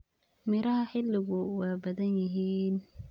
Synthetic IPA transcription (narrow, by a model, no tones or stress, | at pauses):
mɪɾɐɦɐħɪlːɪɣʊwaːbɐðɐnjɪɦiːn